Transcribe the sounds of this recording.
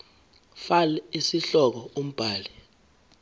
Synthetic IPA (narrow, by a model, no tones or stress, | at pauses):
falɛisiɬɔk̬ɔom̩b̥ʱaːli